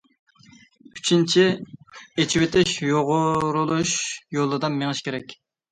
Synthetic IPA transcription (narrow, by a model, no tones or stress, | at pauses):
y̥t͡ʃʰint͡ʃʰi | et͡ʃʰiwet̪ʰɪʃjoʁʊɾulˠuʃjolˠːɨd̪ɑnmeŋɨʃkʲʰeɾɛkʲ